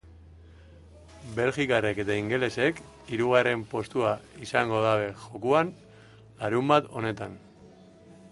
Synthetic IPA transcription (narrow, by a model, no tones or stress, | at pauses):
be̞lʝikareke̞t̪aiŋɡe̞le̞se̞k | iɾuɣ̞are̞mpo̞st̪uaisaŋɡo̞ðaβe̞ʝo̞kuan | laɾumbat̪o̞ne̞t̪an